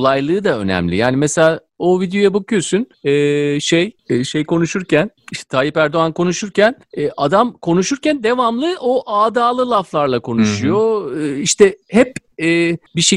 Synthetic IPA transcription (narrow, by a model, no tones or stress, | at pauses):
lˠajlˠɯːd̪aø̞̰næ̰mlʲḭjaːnimeselʲaː | ovid̪ejo̞jabakɯjo̞sunɛːʃejʃejkʰo̞nuʃuɾcʰæniʃt̪ɛ̥t̪ʰaːlipæɾd̪o̞ankʰo̞nuʃuɾcʰæn | ɛːʔad̪amkʰo̞nuʃuɾcænd̪e̞vamlˠɯʔoʔaːd̪aːlˠɯlˠaflˠaɾlˠakʰo̞nuʃujo̞iʃt̪ʰɛhɛpɛːbiʃe